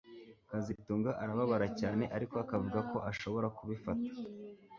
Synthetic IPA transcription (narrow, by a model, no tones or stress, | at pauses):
kazituːŋɡaʔaɾaβaβaɾacaːne̞ʔaɾiko̞akavuɡako̞ʔaʃo̞βo̞ɾakuβifatḁ